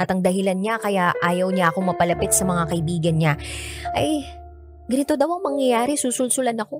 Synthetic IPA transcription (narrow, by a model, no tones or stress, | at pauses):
ɐt̪ɐŋd̪ɐɦɪlanɲakɐjaʔaːjɐwɲaʔɐko̞ŋmɐpɐlɐpɪt̪̚sɐmɐŋakɐʔɪbiːɡɐnɲaʔɐj | ɡɐnɪt̪o̞d̪ɐwʔɐŋmɐŋjɐjaːɾɛsuːsʊlsʊlɐnɐko̞